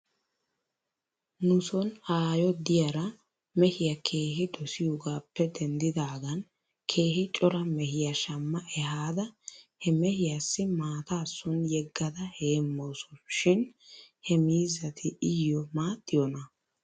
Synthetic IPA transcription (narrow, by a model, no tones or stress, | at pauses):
nʊsɔnaːjɔd̪ɪjɐɾɐ | mɛhɪjɐkʰe̞ːɦɪd̪ɔsɪjɔɡaːpːɛd̪ɛnd̪ɪd̪aːɡɐn | kʰe̞ːhɪt͡ʃʼɔɾɐmɛhɪjɐʃɐmːɐʔɛhaːd̪ɐhɛmɛhɪjasːɪmaːt̪aːsːʊnjɛɡːɐd̪ɐheːmːosɔʃɪnhɛmiːzːɐt̪ʰɪʔɪjɔmaːt̪ːɪjɔnɐ